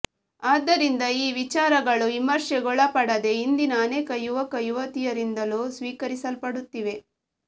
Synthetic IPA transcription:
aːd̪ːɐɾind̪ɐiːʋit͡ʃaːɾɐɡɐɭuʋimɐɾʂɛɡɔɭɐpɐɽɐd̪e̞ind̪inɐːneːkɐjuʋɐkɐjuʋɐt̪ijɐɾind̪ɐluːsʋiːkɐɾisɐlpɐɽut̪ːiʋe̞

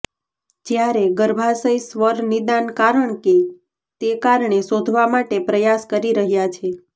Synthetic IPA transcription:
d͡ʒjaɾeɡəɾbʱasəjsʋəɾnid̪ankaɾəɳke | t̪ekaɾɳesod̪ʱʋamaʈepɾəjaskəɾiɾəɦjat͡ʃʰe

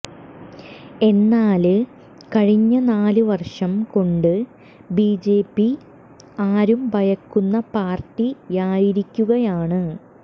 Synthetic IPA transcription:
e̞nːaːl | kɐɻiɲːɐnaːlɨʋɐrʂɐmko̞ɳɖɨ | biːd͡ʑe̞ːpːi | aːɾumbɐjɐkːunːɐpaːrʈːijaːjiɾikʲːuɣɐjaːɳɨ

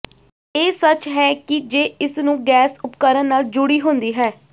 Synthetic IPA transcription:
eːsət͡ʃɦɛːkɪd͡ʒeːɪsnũːɡɛːsʊpkəɾənnaːld͡ʒʊɽiːɦʊ̃nd̪iːɦɛː

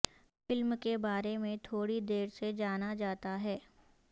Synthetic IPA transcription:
fɪlmkebaːɾemẽt̪ʰoːɽid̪eːɾsed͡ʒaːnad͡ʒaːt̪aɦɛː

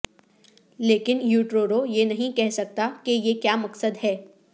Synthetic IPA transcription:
leːkɪnjuːʈɾoːɾojenɐɦĩkɛɦsɐk̚t̪akejekjaːmɐksəd̪ɦɛː

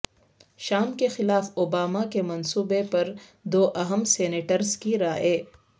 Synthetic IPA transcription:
ʃaːmkexɪlaːfobaːmakemɐnsuːbepɐɾd̪oːʔɐɦəmseːneːʈəɾzkiɾaːeː

